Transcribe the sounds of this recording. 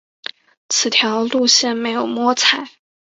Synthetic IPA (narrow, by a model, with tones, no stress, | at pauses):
t͡sʰɹ̩˨˩t̪ʰjɑ˧˥ʊlu˥˧ɕjɛ˥˩nme˧˥ɪjo˨˩ʊmwɔ˥t͡sʰa˨˩˦ɪ